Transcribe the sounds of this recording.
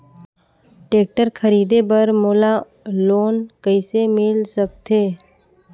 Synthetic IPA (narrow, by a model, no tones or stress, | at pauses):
ʈeːk̚ʈəɾkʰəɾiːd̪ebɐɾmoːla | loːnkəɪsemɪlsək̚t̪ʰeː